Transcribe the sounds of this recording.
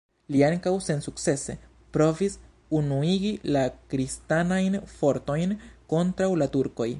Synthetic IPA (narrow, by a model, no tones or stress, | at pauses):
liaŋkawse̞nsuk̚t͡se̞se̞ | pɾo̞vis | unuiɡilakɾistanajnfo̞ɾt̪o̞jnko̞nt̪ɾawlat̪uɾko̞j